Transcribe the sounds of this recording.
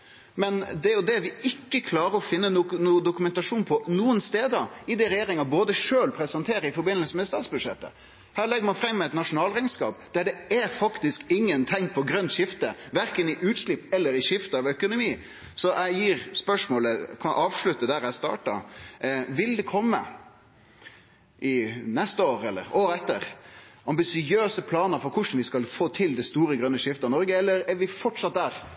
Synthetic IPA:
mɛnd̪ɛjʊd̪ɛʋɪɪkːəkʰlɑːɾəɾɔfɪnːənnuːd̪ʊkʉmɛnt̪ɑʂuːnpʰɔnuːənst̪eːd̪əɪd̪ɛɾɛjeːɾɪŋɑboːd̪əʂøːlpʰɾɛsənt̪ʰeːɾəɪfɔɾbɪnːəlsəmɛɛst̪ɑːt̪sbʉd̪ʂɛ̰t̪ːə̰ | hæːɭɛɡːəmɑfɾɛmːɛɪt̪nɑʂʊnɑːlʁæɪnskɑ̰ːpd̪̥æɖɛæɾfɑkt̪ɪskɪŋːənt̪ʰɪŋːpʰɔɡɾœnt̪ʂɪft̪ə̰ʋæɾkənɪʔʉːt̪ʂlɪpːɛlːəɾɪʃɪft̪əɑʋœkʊnʊmiː | sɔʔæɪjiːɾspœʂmoːləkʰɑnʔɑːʋʂlʉt̪ːəd̪æɾæɪst̪ɑ̰ːʈɑ̰ | ʋɪld̪ɛkʰɔmːə̰ | ʔɪnɛst̪əoːɾɛlːə̰ɾoːɾəɛt̪ːəɾʔɑmbɪsɪøːsəpʰlɑːnəɾfɔɾkʰʊʂn̩ʋɪskɑlfoːt̪ʰɪld̪ɛst̪uːɾəɡɾœnːəʂɪft̪əɑnɔɾɡəɛlːəɾɛɾʋɪfɔʈʂɑt̪̚d̪æːɾ

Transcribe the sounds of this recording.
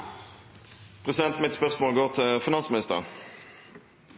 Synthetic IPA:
pʰʁɛsɪd̪ɛnt̪mɪt̪spœʁsmoːlɡoːʁt̪ʰɪlfɪnɑnsmɪnɪst̪əʁə̰

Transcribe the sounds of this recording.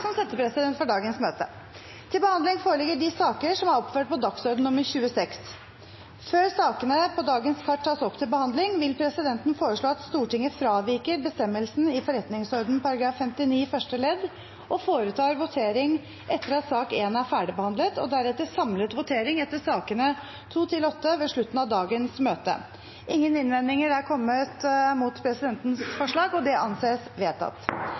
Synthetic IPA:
sɔmsɛt̪ːəpʰɾɛsɪd̪ɛnt̪fɔɖɑːɡənsmøːt̪ə | t̪ʰɪlbəhɑnd̪lɪŋfoːɾəɭlɪɡːəɖɪsɑːkəʂɔmæɾɔpføːʈ̚pɔd̪ɑksɔɾd̪n̩nʊmːəɾçʉːəsɛks | føːɾsɑːkənəpʰɔd̪ɑːɡənskʰɑʈʰːɑːsɔpːt̪ʰɪlbəhɑnd̪lɪŋʋɪlpʰɾɛsɪd̪ɛnt̪n̩foːɾəʂɭoːɑt̪st̪uːʈɪŋːəfɾɑːʋɪɾkəɾbəst̪ɛmːəlsn̩ɪfɔɾɛt̪nɪŋsɔɾd̪n̩pɑɾɑɡɾɑːfːɛmt̪ɪniːfœʂʈəlɛd̪ː | ʔɔfoːɾət̪ʰɑːɾʋʊt̪ʰeːɾɪŋ | ʔɛt̪ːəɾɑt̪sɑːkeːnæɾfæːɖɪbəhɑnd̪lət̪ɔ̰d̪æɾɛt̪ːəsɑmlət̪ʋʊt̪ʰeːɾɪŋɛt̪ːəʂɑːkənə | t̪ʰuːt̪ʰɪlɔt̪ːəʋeːʂɭʉt̪ːn̩ɑʋd̪ɑːɡənsmøːt̪ə̰ | ʔɪŋːənɪnʋɛnɪŋəɾæɾkʰɔmːət̪muːt̪pʰɾɛsɪd̪ɛnt̪nsfɔʂɭɑːɡɔd̪ɛʔɑnseːsʋeːt̪ʰɑ̰t̪ː

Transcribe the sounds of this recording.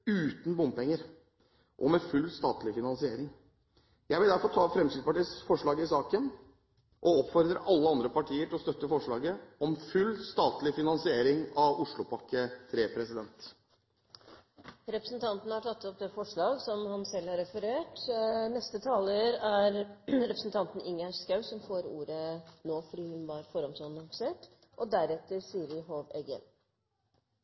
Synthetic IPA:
ʉːt̪n̩bʊmpɛŋːəɾ | ʔɔmɛfʉlːst̪ɑːt̪lɪfɪnɑnsɪeːɾɪŋ | jæɪʋɪld̪æɾfɔʈ̪tʰɑːfɾɛmsɪd̪spɑʈiːsfɔʂɭɑːɡəɪsɑːkən | ʔɔɔpfɔɾd̪ɾəʔɑlːəɑnd̪ɾəpɑʈʰiːəʈʰɪlɔst̪œt̪ːəfɔʂɭɑːɡəɔmfʉlːst̪ɑːt̪lɪfɪnɑnsɪeːɾɪŋɑʋʊʂɭʊpʰɑkːət̪ʰɾeːpʰɾɛsɪd̪ɛnt̪ | ɾɛpɾəsnt̪ʰɑnt̪n̩hɑʈʰɑt̪ːɔp̚d̪eːfɔʂɭɑːɡsɔmhɑnsɛlːhɑɾɛfəɾeːʈnɛst̪ət̪ʰɑːləɾæɾɾɛpɾəsnt̪ʰɑnt̪n̩ɪŋɑsskɑʉsɔmfoːɾṵːɾənoːfɔɖiːhʉnʋɑɾfɔɾɑmt̪ːnɑŋfseːʈ | ʔɔd̪æɾɛt̪ːəɾsiːəɾjɦoːʋɛɡə̰n

